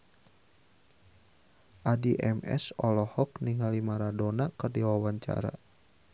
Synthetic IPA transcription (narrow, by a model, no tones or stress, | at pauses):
ʔadiʔɛmɛ̰sɔlɔhɔkniŋalimaɾadɔnakɨrdiwawaɲt͡ʃa̰ɾa̰